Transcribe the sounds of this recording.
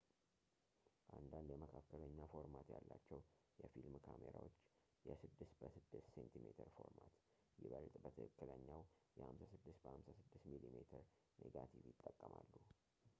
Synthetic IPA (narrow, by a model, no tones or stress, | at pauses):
ʔand̪and̪jɛməkʰakːələɲːafo̞ɾmat̪jalːat͡ʃːɛwjɛfilmkʰameɾa̰wot͡ʃː | jɛsɨd̪ːɨst̪bəsɨd̪ːɨst̪sent̪ʰimet̪ʰəɾfo̞ɾmat̪ | jɪβəlt̪ʼbət̪ʰɨ̰kɨkːɨləɲːawjɛhamsasɨd̪ːɨst̪̚bəhamsasɨd̪ːɨst̪milimet̪ʰəɾ | nʔeɡat̪ʰivjɪt̪ʼːəkʼːəmalːu